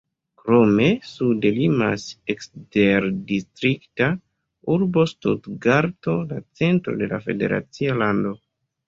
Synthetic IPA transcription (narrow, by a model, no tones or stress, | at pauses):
kɾo̞me̞sudelimaseksteɾdistɾikta | uɾbo̞stṵdɡaɾto̞lat͡se̞ntɾo̞̰de̞la̰fe̞de̞̰ɾa̰t͡sialando̞